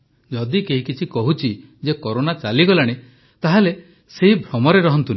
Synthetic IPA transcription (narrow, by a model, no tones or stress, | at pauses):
d͡ʒɔd̪ikeɦikit͡ʃʰikɔɦut͡ʃʰi | d͡ʒekɔɾonat͡ʃaliɡɔlaɽ̃e | t̪aɦale | seɦibʱɾɔmɔɾeɾɔɦɔnt̪un